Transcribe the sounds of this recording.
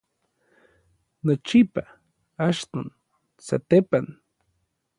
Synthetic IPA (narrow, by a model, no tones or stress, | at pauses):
not͡ʃipa | aʃt̪on | sa̰t̪epan